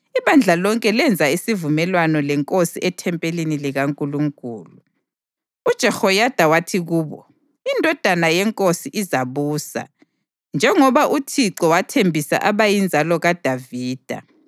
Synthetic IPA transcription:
iβand͡ɮʱalɔŋkʼɛlɛnd͡zʱaisivumɛlwanɔlɛŋkʼosiʔɛtʰɛmpʼeliniliɣaŋkʼuluŋkʼṵːlu | ud̥ʒ̥ʱɛxɔjad̥ʱawatʰiɣuːβɔ̰ | indʱɔd̥ʱanajɛŋkʼosiʔizaβuːsa̰ | nd͡ʒʱɛŋɔβaʔutʰiǁɔwatʰembʱisa̰ʔaβajind͡zʱalɔɣad̥ʱaviːd̥ʱa̰

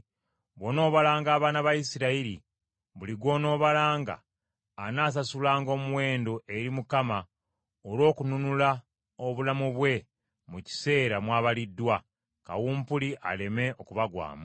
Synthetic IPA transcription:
βwono̞ːβalaːŋɡaːβaːnaβajisiɾaiɾḭ | βuliɡwo̞ːno̞ːβalaːŋɡa̰ː | naːs̬asulaːŋɡo̞ːmuwe̞ːndo̞ʔeɾimukama | olwo̞ːkununula | oβulamuβwe̞ | muci̥se̞ːɾamwaːβalidːwa | ka̰wuːmpulia̰le̞me̞ʔo̞kuβaɡwa̰ːmu

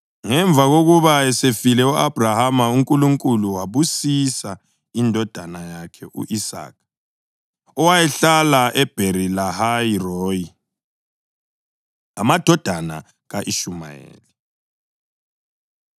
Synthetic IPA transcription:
ŋɛɱb̪vʱaɣoɣuβaɛsefilɛuab̥ʱrahamauŋkʼuluŋkʼuluwaβusisa | indʱɔd̥ʱanajakʰɛʔṵʔisa̰ːk̚ | ɔwajɛɬalaʔɛb̥ʱeɾilahairoːji | a̰mad̥ʱɔd̥ʱana̰ | ɣaʔiʃuma̰jḛːli

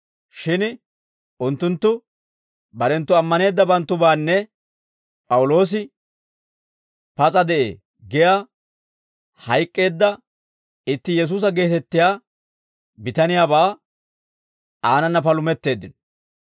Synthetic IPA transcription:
ʃɪn | ʊnt̪ːʊnt̪ːʊ | bɐɾɛnt̪ːʊɐmːɐne̞ːd̪ːɐbɐnt̪ːʊbaːnːɛ | pʼɐwʊlo̞ːs̬ɪ | pɐt͡sʼɐd̪ɛʔḛː | ɡɛjaː | hɐjkʼːe̞ːd̪ːɐ | ɪt̪ːɪjɛs̬uːs̬ɐɡe̞ːt̪ɛt̪ːɪjaː | bɪt̪ɐnɪjaːbaː | aːnɐnːɐpɐlʊmɛt̪ːe̞ːd̪ːɪnɔ

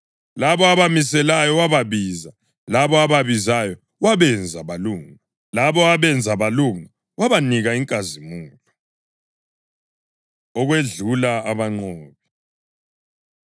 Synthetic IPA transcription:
laβɔaβamisɛlajɔwaβaβiːza | laβɔaβaβizajɔ | waβɛnd͡zʱaβaluŋa | laβɔaβɛnd͡zʱaβaluŋa | waβaniɣaiŋkʼazimuːlɔ | ɔɣweɮulaːβaŋ͡ǀoːβi

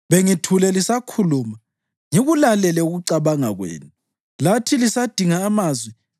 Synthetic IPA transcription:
βeŋitʰulɛlisakʰuluːma | ŋiɣulalɛlɛuɣuǀaβaŋaɣwḛːnu | latʰilisad̥ʱiŋaːmaːzwɛ

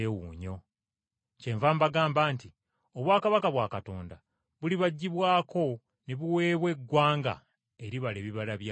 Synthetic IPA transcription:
ewuːɲo̞ | ceːɱvambaɡaːmbaːnti | oβwaːkaβakaβwaːkato̞ːnda | βuliβaɟːiβwaːko̞ | neβuwe̞ːβwe̞ɡːwaːŋɡa̰ | eɾiβaleːβiβalaβja

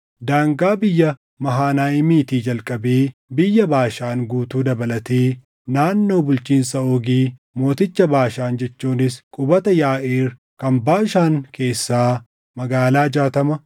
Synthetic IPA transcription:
d̪aːŋɡaːbɪjːɐ | mɐɦaːnaːjɪmiːt̪iːd͡ʒɐlkʼɐbeːbɪjːɐbaːʃaːŋɡuːt̪uːd̪ɐbɐlɐt̪eː | naːnːo̞ːbʊlt͡ʃiːnsɐoːɡiː | mo̞ːt̪ɪt͡ʃːɐbaːʃaːnd͡ʒɛt͡ʃːuːnɪskʼʊbɐt̪ɐjaːʔeːɾ | kɐmbaːʃaːŋkʰe̞ːsːaː | mɐɡaːlaːd͡ʒaːt̪ɐmɐ

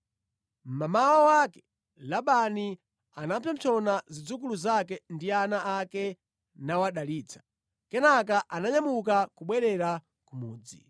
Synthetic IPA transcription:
m̩mamawawakɛ̥ | laɓani | anam̩pʰam̩t͡ʃʰɔnazid͡zukuluzakɛndianaʔakɛ | nawaɗaliːt͡sʰḁ | kɛnak̬aʔanaɲamuk̬akuɓwɛɾɛɾa | kumuːd͡zḭ

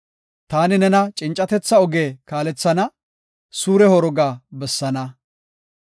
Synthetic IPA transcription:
t̪aːnɪnɛnɐt͡ʃʼɪnt͡ʃʼɐt̪ɛt͡sːɐɔɡeːkaːlɛt͡sːɐnɐ | suːɾɛhɔɾɔɡaːbɛsːɐnɐ

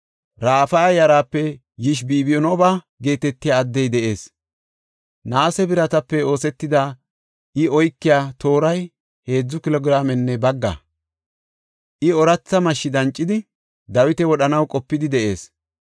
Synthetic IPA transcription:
ɾaːfɐjɐɾaːpːɛ | jɪʃ̬biːbɪjɔnɔbaː | ɡe̞ːt̪ɛt̪ːɪjaːd̪ːɛjd̪ɛʔe̞ːs | naːsɛbɪɾɐt̪ɐpːɛo̞ːsɛt̪ːɪd̪a | ʔɪɔjkːɪjaːt̪o̞ːɾɐj | he̞ːd͡zːʊkɪlɔɡɪɾaːmɛnːɛbɐɡːa̰ | ʔɪɔɾɐt͡sːɐmɐʃːɪd̪ɐnt͡ʃʼːɪd̪ɪ | d̪ɐwɪt̪ɛwɔɗɐnɐwkʼɔpːɪd̪ɪd̪ɛʔe̞ːs

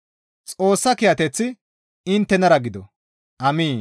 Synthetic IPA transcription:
t͡sʼo̞ːsːɐkɪjɐt̪ɛt͡sːɪ | ɪnt̪ːɛnɐɾɐɡɪd̪ɔ | ʔɐmiː

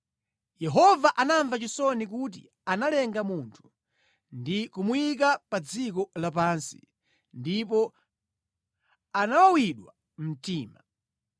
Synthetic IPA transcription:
jɛɦɔvaʔanaɱvat͡ʃisɔnik̬ut̬ḭ | analɛŋɡamuntʰu̥ | ndikumujik̬apad͡zikɔlap̬aːnsi̥̰ | ndipɔ | anawawiɗwa | m̩tiːma

